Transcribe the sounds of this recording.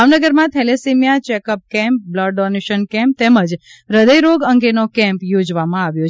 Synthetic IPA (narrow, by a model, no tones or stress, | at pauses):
aʋnəɡəɾmãt̪ʰɛlesimjat͡ʃɛkəp̚kɛ̃mp̚bləɖːɔneʃənkɛ̃mp̚t̪ɛməd͡ʒɾəd̪əjɾoɡəŋɡenokɛ̃mpjod͡ʒʋamãaʋjo